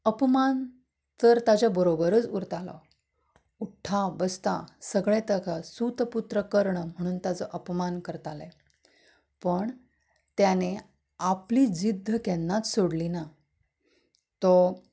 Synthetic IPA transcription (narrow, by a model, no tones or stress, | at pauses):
əpman | t̪əɾt̪at͡ɕabəɾobəɾət͡suɾt̪alɔ̰ | uʈʰːabəst̪a̰səɡɭẽt̪əkasut̪put̪ɾəkəɾɳm̤əɽ̃uːnt̪at͡sɔʔəpmankəɾt̪alɛ | pəɳ | t̪jane | apliːd͡zid̪ʱːəkɛnːat͡ssoɽlina | t̪ɔ